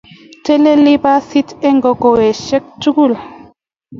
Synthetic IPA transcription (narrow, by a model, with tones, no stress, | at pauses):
te˦le˦li˦ba˦si˦te˦ŋɡo˨ɡo˨we˨ʃɛ˦k̚tu˦ɡu˦˨l